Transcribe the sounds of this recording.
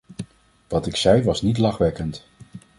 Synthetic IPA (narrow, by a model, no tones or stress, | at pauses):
ʋɑtɪksɛjʋɑsnitlɑχʋɛkənt